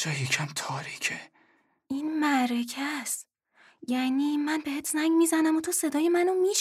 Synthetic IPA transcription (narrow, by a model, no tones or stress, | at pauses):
d͡ʒɒːjicʰæmt̪ʰɒːɾiːcʰe | inmæɾecʰæs | jæniːmænbehet̪ʰzæŋɡmiːzænæmot̪ʰose̞d̪ɒːjemænomiːʃ